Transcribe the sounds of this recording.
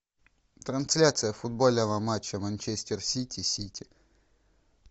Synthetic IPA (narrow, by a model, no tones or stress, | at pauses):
t̪ɾɐnsʲlʲat̪sɨjəfʊd̪̚bo̞lʲnəvəmat͡ɕːəmɐnʲt͡ɕesʲtʲɪrsʲitʲɪsʲitʲʰɪ